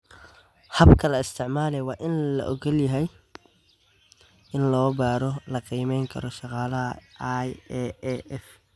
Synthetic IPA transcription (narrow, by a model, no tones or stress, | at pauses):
hɐbkʰɐlɐɪst̪ʰɪʕmaːlɛwɑːʔɪnlɐ̰ʔɔɡɐljɐɦɛj | ʔɪnlɔːbaːɾɔlɐqiːmɛjŋkʰɐ̰ɾɔʃɑqɑːlɐɦɐ̰jɛɛʔɛf